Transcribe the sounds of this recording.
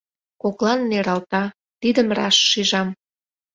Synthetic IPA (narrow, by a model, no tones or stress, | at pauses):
koklɑnːeɾɑlt̪ɑ | t̪id̪əmrɑ̰ʃːiʒɑm